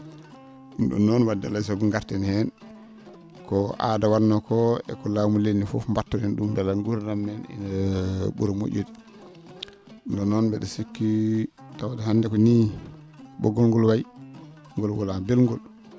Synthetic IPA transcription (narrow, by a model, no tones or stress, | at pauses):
nɗɔ̰nɔnwadalas̬aɡuŋɡaɾtɛnhɛn | kɔʔa̰dawaɾnɔkɔɛ̰kɔlamulenːifɔfmbatːɔdɛnɗumdalaɡuɾɾamːɛnɛ̰nɓṵɾamo̰ʔʲodi | ndɔnɔnbɛɗɔsikːi | tawadahandɛkɔni | bɔ̰ɡɔlŋɡɔlwaj | ŋɡɔlɡɔlabɛlŋɡɔl